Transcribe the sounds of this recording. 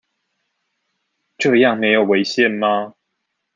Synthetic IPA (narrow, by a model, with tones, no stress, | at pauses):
ʈ͡ʂɤ˥˧jɑ˥˨ŋme˨˧˦ɪjo˨˩we˧˦ɪɕjɛ˥˨nma˦